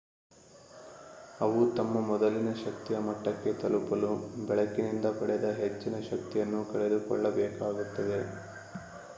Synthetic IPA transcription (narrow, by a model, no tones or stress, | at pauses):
ɐʋut̪ɐmːɐmɔd̪ɐlinɐʃɐk̚t̪ijɐmɐʈːɐkːe̞t̪ɐlupɐlubɛɭɐkːinind̪ɐpɐɭed̪ɐɦet͡ʃːinɐʃɐk̚t̪ijɐnːukɐɭe̞d̪ukɔɭːɐbɛːkaːɡut̪ːɐd̪e̞